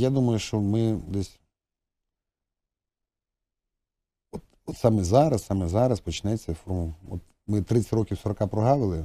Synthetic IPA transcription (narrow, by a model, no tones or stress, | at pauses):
jad̪umɐjʊʃt͡ʃɔmɪd̪ɛsʲ | ɔt̪ɔt̪sɑmɛzɑɾɐssɑmɛzɑɾɐspɔt͡ʃɪnɛt͡sʲːɐfɔrmʊɔ̰t̪ | mɪt̪ɾɪt͡sʲɪ̥ɾɔkʲiwsɔɾɔkɑpɾɔɦɑlˠɪlˠɪ